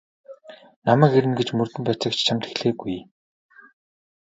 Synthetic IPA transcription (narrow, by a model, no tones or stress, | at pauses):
namæːkeɾɘ̆nɡet͡ɕmɵrt̪ɘ̆mpæːt͡sə̆kt͡ɕʰt͡ɕʰamt̪ʰe̥xɮeːɡuj